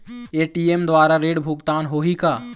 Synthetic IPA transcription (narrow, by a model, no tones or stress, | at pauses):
eːʈiemd̪ʋaːɾaɾeːɽbʱʊɡt̪aːnɦoːɦikaː